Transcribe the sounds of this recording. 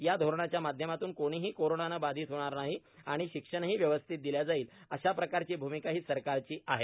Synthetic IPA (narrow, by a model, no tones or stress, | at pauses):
jad̪ʱoɾɳat͡ɕjamad̪ʱjəmat̪uːnkoɽ̃iːɦiːkoɾoɳanabad̪ʱiːt̪ɦoɽ̃aɾnaɦiaɽ̃iɕikʂəɳ̃ɦiːʋjəʋəst̪ʰit̪̚d̪iljad͡zaiːləɕapɾəkaɾt͡ɕiːbʱumikaɦiːsəɾkaɾt͡ɕiːʔaɦe